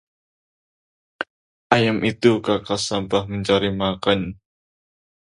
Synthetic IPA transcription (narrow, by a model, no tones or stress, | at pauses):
ʔajamʔit̪ukakasampahməɲt͡ʃaɾimakan